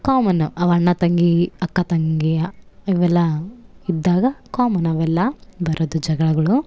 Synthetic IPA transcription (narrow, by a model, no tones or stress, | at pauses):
kaːmɐnuɐʋɐɳːɐt̪ɐŋɡiɐkːɐt̪ɐŋɡiiʋɛlːɐid̪ːaːɡɐkaːmɐnɐʋɛlːɐbɐɾʔod̪ud͡ʒɐɡɐɭɐɡɐɭu